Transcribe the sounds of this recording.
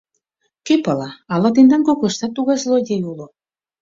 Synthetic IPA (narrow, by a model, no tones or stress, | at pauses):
køpɑlɑɑlɑt̪end̪ɑnkokoʃt̪ɑt̪ːuɣɑslod̪ʲejulo